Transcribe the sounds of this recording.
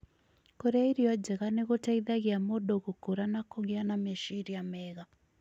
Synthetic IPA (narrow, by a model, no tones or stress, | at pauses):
kɔɾɛiɾiɔd͡ʒɛɣanɛɣɔtaiðaɣiamɔɗɔɣukuɾanakɔŋɡɛanamɛʃiɾiamɛɣa